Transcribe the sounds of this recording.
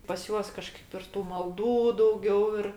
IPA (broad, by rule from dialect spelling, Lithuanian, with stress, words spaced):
pɐs ˈjuɔs kɐˈʃkɐɪp ɪr ˈtuː mɐlˠˈduː dɐʊˈɡʲɛʊ ɪr